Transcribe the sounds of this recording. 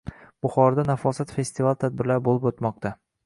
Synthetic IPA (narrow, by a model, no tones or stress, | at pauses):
b̥ʊχɒɾad̪anafɒsat̪fe̞st̪ivalˠt̪ʰad̪̚bɪɾlaɾɪbolˠɪpot̪mɒq̚t̪ʰa